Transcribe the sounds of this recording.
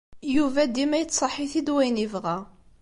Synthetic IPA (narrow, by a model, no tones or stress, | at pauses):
juvæd̪imæjət͡s̪ːsˤɑħiθid̪wæjnivʁæ